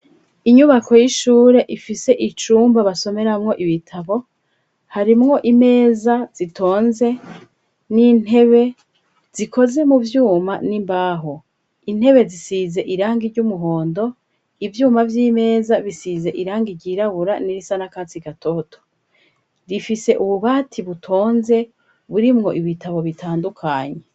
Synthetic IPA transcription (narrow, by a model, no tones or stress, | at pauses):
iɲuβakʰo̞jiʃuːɾe̞ʔifise̞ʔit͡ʃuːmbaβaso̞me̞ɾamŋo̞ʔiβitʰaβo̞ | haɾimŋo̞ʔime̞ːzaz̥itʰo̞ːnze̞ | nin̥e̞βe̞ | z̥ikʰo̞ze̞muvjuːmanimbaːɦo | in̥he̞βe̞zisize̞ʔiɾaːŋɡiɾɟumuɦoːndo̞ | ivjuːmavjiːme̞ːzaβisize̞ʔiɾaːŋɡiɾɟiɾaβuɾaniɾisanakaːt͡siɡatʰo̞tʰo̥ | difise̞ʔuβuβaːtʰiβutʰo̞ːnze̞ | βuɾimŋo̞ʔiβitʰaβo̞βitʰaːndukʰaɲe